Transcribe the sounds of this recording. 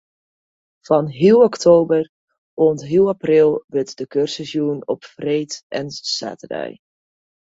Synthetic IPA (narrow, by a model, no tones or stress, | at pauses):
v̥ɑnɦilˠɔktʰoːbər | oəntɦilˠaprɪlˠʋɪtdəkørsəsjuənɔpfrejtɛnsa̰ːtərɛ̰j